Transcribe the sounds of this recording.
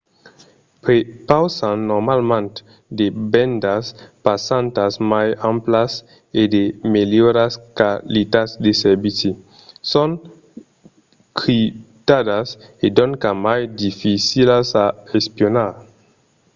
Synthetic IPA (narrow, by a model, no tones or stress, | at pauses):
pɾepawsanːoɾmalmant | debendaspasantasmajamplas | edemeljoɾaskalitasdeseɾbit͡si | son | kɾitadasedonkamajdifisilasaespionaɾ